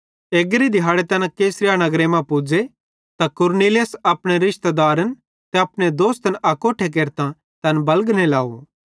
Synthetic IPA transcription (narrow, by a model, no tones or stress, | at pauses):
eːɡɾid̪ʱɪɦaːɽet̪ɐnkeːsɾɪjanɐɡɾemãpud͡ʒe | t̪akʊɾniːlesɐpɽ̃eɾɪʃt̪d̪aːɾən | t̪ɛɐpɽ̃ed̪oːst̪ənʔɐkoːʈʰek̬eːɾt̪ã | t̪ɐnbɐlɡnelaːo̰